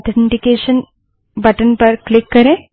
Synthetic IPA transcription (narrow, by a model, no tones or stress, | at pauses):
t̪ʰeɳʈikeːʃɐn | bɐʈɐnpɐɾklikːɐɾeː